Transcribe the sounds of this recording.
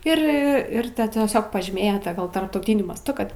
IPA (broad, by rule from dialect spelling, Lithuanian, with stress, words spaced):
ɪr ˈɪr ˈtɐ tʲiɛsʲoːk pɐʒʲiːˈmʲeːjoː ˈtɐ ˈɡɐlˠ tɐrptɐʊˈtʲiːnʲʊ mɐsˈtʊ ˈkɐt